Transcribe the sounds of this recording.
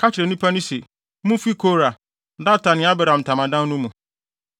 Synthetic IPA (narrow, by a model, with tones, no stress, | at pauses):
kʰa˦t͡ɕʰɪ˨ɾɛ˨nĩ˦pʰa˦nũ˦se˨˦ | mũ˦fi˦kʰo˦ɾa˨˦ | da˦˨tʰa˨nɪ̃˨˦a˦bɛ˨ɾã˨m̩˨tʰã˨mã˨dã˦n˦nũ˦mũ˨